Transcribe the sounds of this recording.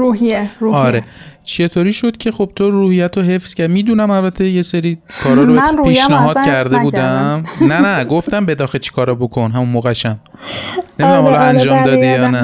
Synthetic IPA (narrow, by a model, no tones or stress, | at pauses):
uɦieuɒːɾe̞t͡ʃʰe̞t̪ʰoɾiːʃod̪̥cʲʰe̞xob̥̚t̪ʰoɾuːhijæt̪ʰoɦe̞fscʰæɾd̪miːd̪unæmælbæt̪ʰːeje̞seɾiːkʰɒːɾɒːɾopiːʃnæɦɒːd̪kʰæɾd̪ebuːd̪æmnænæɡoft̪æmbed̪ɒːxet͡ʃʰi̥kʰɒːɾɒbo̞kʰonɦæmunmoːɣæʃæm | nemid̪unæmhɒlɒænd͡ʒɒːmd̪ɒːd̪ijɒːnæ